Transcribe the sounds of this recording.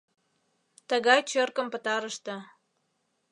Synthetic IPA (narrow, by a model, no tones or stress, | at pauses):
t̪ə̆ɣɑjt͡ɕørkə̆mpə̆t̪ɑɾəʃt̪ə̆